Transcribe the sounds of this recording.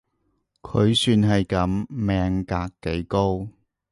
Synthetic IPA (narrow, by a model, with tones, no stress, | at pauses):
kʰɵ˨˧ɥsyː˧nɦɐ˨jkɐ˨˥mmɛː˨˧ŋkaː˧kːe˨˥jko˥w